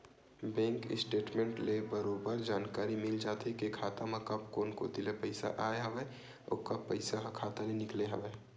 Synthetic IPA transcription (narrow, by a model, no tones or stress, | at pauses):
bɛ̃ːŋkɪ̰sʈeːʈmẽːɳʈlebəɾoːbəɾd͡ʒaːnkaːɾimɪld͡ʒaːt̪ekekʰaːt̪amɐkɐpkoːnko̰d̪ɪlepəɪsa̰ʔaːeɦɐʋeː | o̰ːkɐpːəɪsaɦkʰaːt̪alenɪkleɦɐʋeː